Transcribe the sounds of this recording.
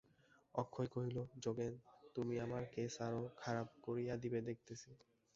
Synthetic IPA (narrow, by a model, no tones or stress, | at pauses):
ɔkʰːojkoɦilod͡ʑoɡent̪umiamaɾkesaɾokʰaɾab̚koɾijad̪ibed̪ek̚ʰt̪esʰi